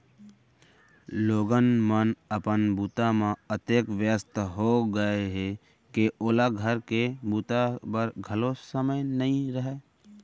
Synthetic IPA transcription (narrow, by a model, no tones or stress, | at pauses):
loːɡənmənəpənbuːt̪amãət̪eːkʋjəst̪ʰɦoɡəeɦe | keʔoːlaɡʱəɾkebuːt̪apəɾɡʱəlosəməjnəɦĩɾəɦeː